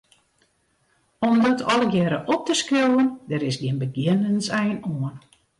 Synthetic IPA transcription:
ɔmdɔtʰɔləɡjɛːɾəʔɔp̚təskrowəndɛɾɪsɡiənbəɡjɪnənsɛjnoən

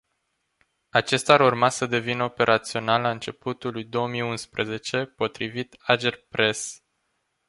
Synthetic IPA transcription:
at͡ʃe̞st̪aɾurmasəd̪e̞vinəo̞pe̞ɾʔat̪sio̞nalaɨnt͡ʃe̞put̪ulujd̪o̞omijunspɾəze̞t͡ʃe̞po̞t̪ɾivit̪ad͡ʒerpɾe̞s

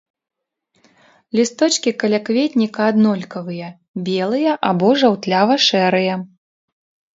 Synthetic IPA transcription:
lʲist̪ɔt͡ʃkʲikɐlʲakvʲet̪ʲnʲikɐːd̪nɔlʲkɐvɨjɐ | bʲɛlˠɨjɐʔabɔʐawt̪lʲavɐʂɛɾɨjɐ

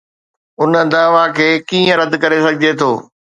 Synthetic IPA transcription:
ʊnə̆d̪aːʋakʰeːkiːə̃ɾɐd̪kɐɾesɐɡʱɪd͡ʑet̪ʰoː

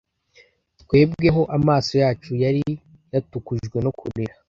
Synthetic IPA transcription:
tkwe̞ːbɡe̞ɦo̞ʔamaːso̞jaːt͡ʃujaɾi | jatukuʒɡwe̞nokʰumiɾa

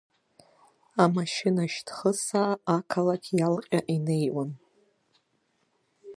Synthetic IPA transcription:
amaʃɪnaʃtʰχəsaːkʰalakʲʰjalqʲʼaʔine̞jwan

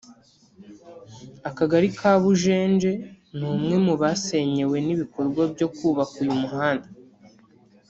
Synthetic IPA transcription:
akaɡaɾikʰaːβuʒe̞ːnd͡ʒe̞ | nuːmŋe̞muβase̞ɲe̞we̞niβiko̞ɾɡwabjo̞kuːβakujumuhaːnda

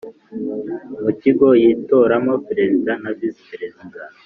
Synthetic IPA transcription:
muciɡojiːto̞ɾamopeɾe̞zidanavispeɾeziɡa

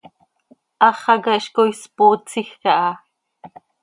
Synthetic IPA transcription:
ʔɑχɑɡɑʔʃkojspot͡sixɑʔɑ

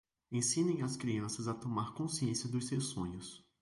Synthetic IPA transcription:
ẽsĩnẽj̃ɐskɾiɐ̃sɐzɐt̪omaɾkõsiẽsiɐd̪ʊssewsːõɲʊs

